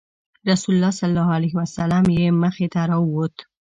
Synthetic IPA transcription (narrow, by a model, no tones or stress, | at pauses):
ɾasulʊlːɑsalːɑalaɦwasalamjeməxet̪aɾɑəwot̪